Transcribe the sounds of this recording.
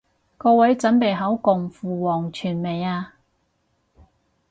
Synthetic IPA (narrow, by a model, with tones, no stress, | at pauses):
kɔː˧wɐ˨˥jt͡sɐ˨˥npe˨˩jɦɐ˨˥wkʊ˨˩ŋfuː˨˩wɔː˨˩ŋt͡ʃʰyː˨˩nme˨˩jaː˧